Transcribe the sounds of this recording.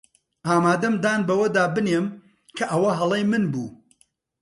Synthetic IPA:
ʔaːmaːd̪ɐmd̪aːnbɐwɐd̪aːbɨneːm | kʰɐʔɐwɐɦɐlˠejmɨnbṵː

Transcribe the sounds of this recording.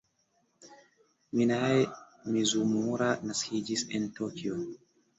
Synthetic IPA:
minae | mizumuɾanaskid͡ʒisentokio

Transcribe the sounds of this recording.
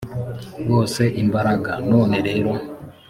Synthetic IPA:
ɡo̞ːse̞ʔimbaɾaɡa̰no̞ːne̞ɾe̞ːɾo̞

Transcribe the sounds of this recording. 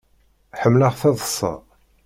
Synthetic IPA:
ħəmːləʁθæðˤəsˤːɑ̰

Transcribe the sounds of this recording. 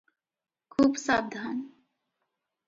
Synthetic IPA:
kʰuːbsaːb̚d̪ʱaːn

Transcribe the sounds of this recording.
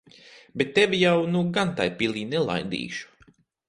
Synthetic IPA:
bet̪ːevʲijawnuɡant̪ajpilˠiːnɛlˠa̰jd̪ḭːʃu̥

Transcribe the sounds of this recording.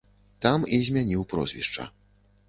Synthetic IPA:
t̪amizʲmʲanʲiwpɾɔ̰zʲvʲḭʂt͡ʂɐ̰

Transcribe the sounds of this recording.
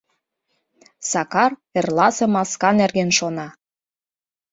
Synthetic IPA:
sɑkɑrĕrlɑsemɑskɑnerɣenʃonɑ

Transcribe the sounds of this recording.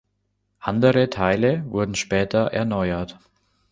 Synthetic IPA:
ʔandəʁətʰaɪləvʊɐdn̩ʃpɛːtʰɐʔɛ̰ɐnɔʏɐt

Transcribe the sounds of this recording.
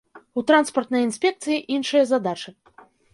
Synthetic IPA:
ut̪ɾanspɐrt̪nɐjinsʲpʲɛk̚t̪sɨjiʔinʂɐjɐzad̪at͡ʂɨ

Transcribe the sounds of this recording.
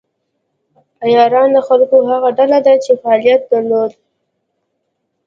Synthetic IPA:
ajɑɾɑnd̪əxalkoɦaɣaɖalad̪at͡ʃefaɑlijat̪̚d̪aɾlod̪̚

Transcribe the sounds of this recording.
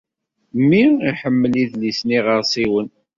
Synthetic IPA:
mːiiħəmːəliðlisniʁəɾsˤiwən

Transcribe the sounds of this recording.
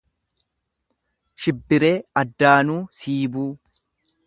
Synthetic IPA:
ʃɪbːɪɾe̞ːɐd̪ːaːnuːsiːbuː

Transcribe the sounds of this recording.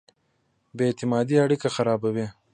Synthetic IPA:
bet̪ɪmɑːd̪iaɽikaxaɾɑːbawe

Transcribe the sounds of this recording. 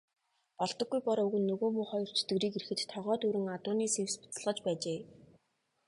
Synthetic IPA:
pɔɮt̪ɞ̆ɡːujpɔɾɵɣɘ̆nːɵɣoːmuːχɔjɞ̆r̥t͡ɕʰɵ̥t̪ɡɘ̆ɾiːkeɾɘ̆xɘ̆t̪t̪ʰːɔʁœːt̪uɾɘ̆ŋat̪ʊːniːsewspʊ̥t͡s̆ɮʁə̆t͡ɕpæːt͡ɕeː

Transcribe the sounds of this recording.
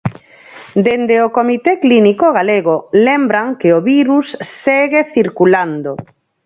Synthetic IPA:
d̪end̪eokomit̪eklinikoɣaleɣolembɾaŋkeoβiɾusːeɣeθiɾkuland̪o

